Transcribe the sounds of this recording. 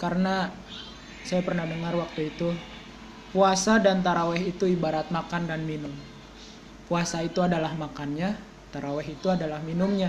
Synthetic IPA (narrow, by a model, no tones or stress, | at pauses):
kaɾəna | sajapərnahdəŋarwak̚t̪uit̪u | puasadant̪aɾawɛɦit̪uibaɾat̪̚makandanminʊm | puasait̪uadalahmakanɲa | t̪aɾawɛɦit̪uadalahminʊmɲa